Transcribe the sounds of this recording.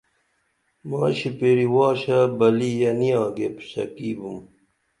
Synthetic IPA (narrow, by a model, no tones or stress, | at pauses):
maːɕipeɾiwaːɕabɐlijɐnijãːɡepsɐ̰kiːbum